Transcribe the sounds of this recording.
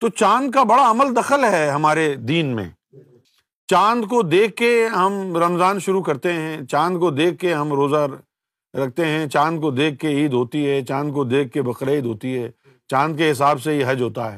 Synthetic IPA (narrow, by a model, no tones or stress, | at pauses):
t̪ot͡ʃãːnd̪̚kabɐɽaɐməld̪ɐxəlɦɛːɦɐmaːɾed̪iːnmḛ̃ː | t͡ʃãːnd̪kod̪eːkːeɦɐmɾɐmzaːnʃʊɾukɐɾt̪eɦɛ̃t͡ʃãːnd̪̚kod̪eːkːeɦɐmɾoːzaɾ | ɾɐk̚ʰt̪eɦɛ̃t͡ʃãːnd̪̚kod̪eːkːeiːd̪ɦoːt̪iɦɛt͡ʃãːnd̪̚kod̪eːkːebɐxɾaiːd̪ɦoːt̪iɦɛː | t͡ʃãːnd̪̚keɦɪs̬aːbseɦiɦɐd͡ʒɦoːt̪aɦɛ̰ː